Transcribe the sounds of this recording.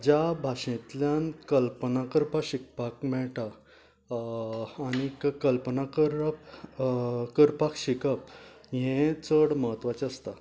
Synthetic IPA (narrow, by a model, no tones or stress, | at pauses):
d͡ʑabʱaʂẽt̪ljankəlpənakəɾpaɕik̚pakmɛɭʈa | ñikkəlpənakəɾəp | kəɾpakɕikəp̚ | ɦẽt͡səɽməɦət̪ːʋat͡ɕəst̪a